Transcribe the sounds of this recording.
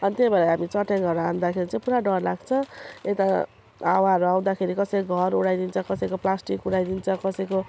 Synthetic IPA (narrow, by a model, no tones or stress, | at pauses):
ʌnit̪ebaɾaɦamit͡sʌʈeŋʌɾʌand̪akʰeɾit͡sãĩpuɾaɖʌrlaɡt͡sʰʌ̃et̪a | awaʌɾuaw̃d̪akʰeɾikʌsʌjɡʱʌɾuɽajd̪int͡sʰʌ̃kʌsʌjkoplasʈikuɽajd̪int͡sʰʌ̃kʌsʌjko